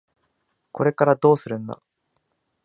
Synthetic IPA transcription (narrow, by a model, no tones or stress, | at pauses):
ko̞ɾe̞kaɾad̪o̞ːsɨɾɯ̟̃nd̪a̰